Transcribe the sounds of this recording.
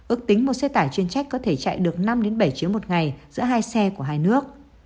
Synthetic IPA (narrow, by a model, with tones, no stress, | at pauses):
ʔɨ˦˥ək̚t̪ï˨˦ŋmo˨˩t̚sɛ˧t̪aː˧˩jt͡ɕwi˧ənt͡ɕa˦˥jk̟̚kɔ˨˦t̪ʰe˧˩t͡ɕa̰˧˨jɗɨ˨˩ək̚na˧mɗe˨˦nɓə˧˩jt͡ɕi˨˦əwmo˨˩t̚ŋa˨˩jzɨ̰˧˥əɦaː˧jsɛ˧ku˧˩əɦaː˧jnɨ˦˥ək̚